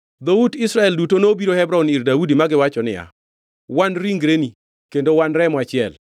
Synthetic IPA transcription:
d̪oudisɾaɛldutonobiɾohɛbɾɔoniɾdaudimaɡɪwat͡ʃɔnɪja̰ | wanɾiŋɡɾeni | kendowanɾɛmɔat͡ʃɪɛl

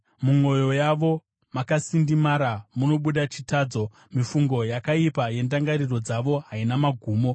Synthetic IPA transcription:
muŋwo̞jo̞jaʋo̞ | makasindimaɾamuno̞ɓuɗat͡ʃitaːd͡zo̞ | mifuŋɡo̞jakaipaje̞ndaŋɡaɾiro̞d͡zaʋo̞ɦainamaɡʱuːmo̞

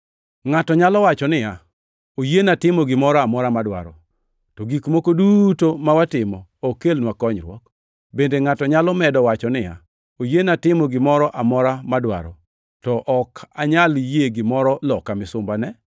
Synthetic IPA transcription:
ŋatɔɲalɔwat͡ʃɔnɪja | ojenatɪmɔɡɪmɔɾɔamɔɾamadwa̰ɾɔ̰ | tɔɡikmokodutomawatɪmɔokelnwakɔɲɾwɔ̰k | bendeŋatɔɲalɔmɛdɔwat͡ʃɔnɪja̰ | ojenatɪmɔɡɪmɔɾɔʔamɔɾamadwa̰ɾɔ̰ | tɔʔɔkʰaɲaljeɡɪmɔɾɔlɔkamɪsʊmbanɛ

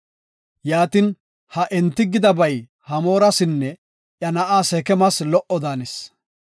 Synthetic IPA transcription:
jaːt̪ɪn | hɐʔɛnt̪ːɪɡɪd̪ɐbɐj | hɐmo̞ːɾɐsɪnːɛ | ʔjɐnɐʔaːsɛkɛmɐslɔʔɔd̪aːnɛs

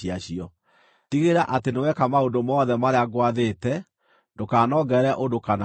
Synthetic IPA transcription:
iaɕiɔ | tiɣeɾaʔatenewɛkamaondomɔðɛmaɾeaɡwaðetɛ | ndokaːnɔɡɛɾɛʔondokana

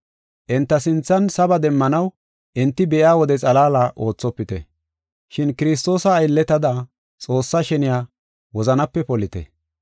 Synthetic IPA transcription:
ʔɪnt̪ːɐsɪnt͡sːɐnsɐbɐd̪ɛmːɐnɐw | ʔɪnt̪ːɪbɛʔjaːwɔd̪ɛt͡sʼɐlaːlaːʔo̞ːt͡sːɔpːɪt̪ɛ̰ | ʃɪnkɪɾɪs̬t̪o̞ːsɐːjlːɛt̪ɐd̪a | t͡sʼo̞ːsːɐʃɛnɪjaː | wɔzɐnɐpːɛpɔlɪt̪ɛ̰

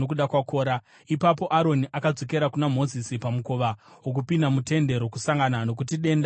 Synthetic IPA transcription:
okuɗakwakoːɾa | ipapo̞ʔaɾo̞niʔakad͡zo̞ke̞ɾakunam̤o̞zisipamukoʋa | wok̬upindamute̞nde̞ɾo̞kusaŋɡanano̞k̬ut̬iɗe̞ːnda

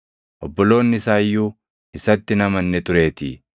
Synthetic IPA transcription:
ʔɔbːɔlo̞ːnːɪsaːjːuː | ɪsɐt̪ːɪnɐmɐnːɛt̪ʊɾe̞ːt̪ɪ

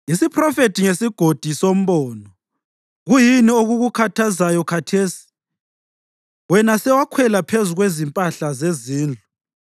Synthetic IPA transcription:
isipʰrɔfetʰiŋesiɡ̥ʱod̥ʱisom̩βɔːnɔ | ɣujinioɣuɣukʰatʰazajɔkʰatʰeːsi̥ | wɛnasɛwakʰwɛlapʰezuɣwezimpʼaɬazeziːnd͡ɮʱu

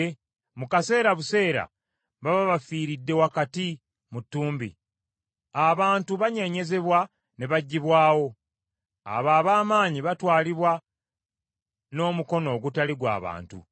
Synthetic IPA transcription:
mukase̞ːɾaβuse̞ːɾa̰ | βaβaβafiːɾidːe̞wakati | mutːuːmbḭ | aβaːntuβaɲe̞ɲe̞ze̞βwa | ne̞βaɟːiβwaːwo̞ | a̰βaːβaːmaːɲiβatwaːliβwa | no̞ːmuko̞no̞ːɡutaliɡwa̰ːβa̰ːntṵ

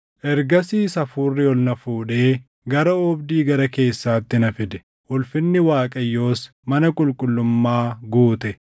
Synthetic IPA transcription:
ʔɛɾɡɐsiːsɐfuːrːɪɔlnɐfuːᶑe̞ː | ɡɐɾɐɔbd̪iːɡɐɾɐke̞ːsːaːt̪ːɪnɐfɪd̪ɛ̥ | ʔʊlfɪnːɪwaːkʼɐjːo̞ːs | mɐnɐkʼʊlkʼʊlːʊmːaːɡuːt̪ɛ

